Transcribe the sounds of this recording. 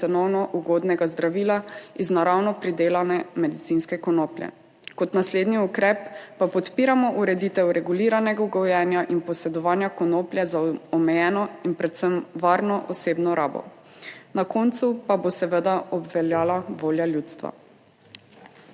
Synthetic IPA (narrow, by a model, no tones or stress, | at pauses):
ɛnɔwnɔʔuɡod̪nɛɡazd̪ɾaʋiːlaiznaɾawnɔpɾid̪eːlanɛmɛd̪it̪sinskɛkɔnoplʲjɛ̰ | kɔt̪nasleːd̪niukɾɛpːapɔt̪piːɾamɔʔuɾɛd̪it̪ɛwɾɛɡuliːɾanɛɡauɡɔwjɛːnjaʔinpɔsɛd̪ɔʋaːnjakɔnoːplʲjɛzaɔmɛjɛːnɔinpɾɛt̪səmʋaːɾnɔʔɔseːbnɔɾaːbɔ̰ | nakont̪supabosɛʋəd̪aɔbʋɛljaːlaʋoːljaljut̪st̪ʋa̰